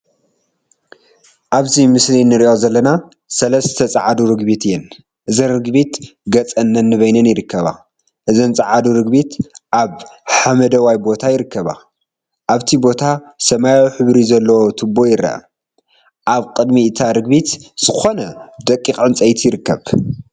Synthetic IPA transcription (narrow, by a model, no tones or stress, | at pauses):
ʔaβzimɨslinɨɾiʔo̞zɐlːɐna | sɐlɐst̪ʰɐt͡sʼaʕad̪uɾɨɡbit̪ɨjːɛn | ʔɨzɐnrɨɡbit̪ɡɐt͡sʼɐnːɐnːɨβɐjnɐnjɪɾɨkːɐβa̰ | ʔɨzɐnt͡sʼɨʕad̪uɾɨɡbit̪ʔaβħamɐd̪ɐwajbo̞t̪ʰajɪɾɨkːɐβa̰ | ʔaβt̪ʰibo̞t̪ʰa | sɐmajawħɨβɾizɐlːɐwot̪ʰɨbːo̞jɪɾɐ̰ʔɐ̰ | ʔaβkʼɨd̪miɨt̪ʰaɾɨɡbit̪z̥ɨxo̞nɐd̪ɐkʼːixʼɨnt͡sʼɐjt̪ʰjɪɾɨkːɐβ